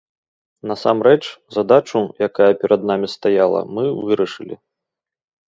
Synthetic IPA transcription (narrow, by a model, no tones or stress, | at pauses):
nɐsamɾɛt͡ʂzad̪at͡ʂujakajɐpʲɛɾʔɐd̪namʲist̪ajalˠɐ̰mɨvɨɾɐʂɨlʲḭ